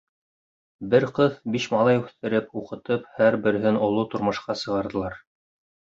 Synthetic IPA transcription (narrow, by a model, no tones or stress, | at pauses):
bɘɾqɤðbiʃmɑlˠɑjʉθt̪ɘ̆ɾɘpuqɤ̆t̪ɤphæɾbɘ̆ɾɘ̆ɦɘnŏlˠot̪ŏɾmɤ̆ʃqɑsɤ̆ʁɑɾðɤ̆lˠɑɾ